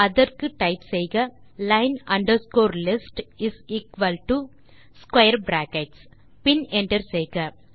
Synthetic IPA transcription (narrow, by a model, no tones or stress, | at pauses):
ɐðɐɾkɯʈɐɪpsɛjɣɐlɐɪnɐ̃ɳɖɐɾskoːɾlɪsʈɪsiːkʋɐlʈu | skwɐɪɐɾbɾaːkeʈs | pɪnɛɳʈɐɾsɛjɣɐ